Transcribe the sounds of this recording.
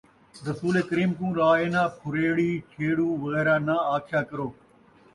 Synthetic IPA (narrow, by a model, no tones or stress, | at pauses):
ɾəsuːleːkəɾiːmkũːɾaːeːnãːpʰʊɾeːɽiːt͡ʃʰeːɽũːʋəɣɛːɾaːnaːaːkʰjaːkəɾoː